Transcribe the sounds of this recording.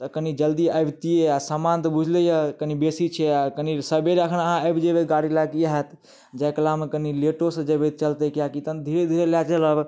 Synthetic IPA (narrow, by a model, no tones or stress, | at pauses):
t̪əkənid͡ʒəld̪iəjbt̪ijeasəmant̪bud͡ʒʱlejəkənibesit͡ʃʰɛakənisəbeɾəkʰnəɦãəbd͡ʒebet̪ɡaɽilakijaɦet̪ | d͡ʒɛkəlamekənileʈosə̃d͡ʒebet̪̚t͡ʃəlt̪ekiakit̪ənd̪ʱiɾed̪ʱielat͡ʃələb